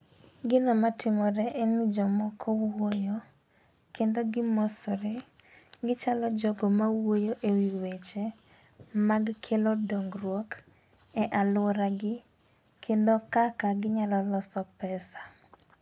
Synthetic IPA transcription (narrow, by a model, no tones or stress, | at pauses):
ɡɪnɔmatɪmɔɾɛʔenɪd͡ʒɔmɔkʰɔwojo | kendoɡɪmosɔɾe | ɡɪt͡ʃalɔd͡ʒɔɡomawojoʔewiwet͡ʃe | maɡkʰelodoŋɡrwok | ɛʔalʊɾaɡɪ | kʰendokakaɡɪɲalɔlɔsɔpɛsḁ